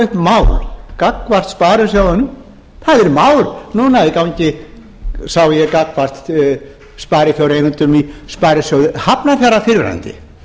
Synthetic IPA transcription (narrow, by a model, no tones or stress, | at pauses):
ʏhpmawɾkakːvar̥t̪spaːɾʏsjaːwðʏnʏm | θaðɛɾmaːwɾnunaɛðɪkawɲcɪ | sawjɛkakvar̥t̪ | spaːjɾɪθjawɾejnʏnt̪ʏmispaːjɾɪsjawðʏhapnaθjaɾafɪɾvɛ̰ɾa̰nt̪ɪ̰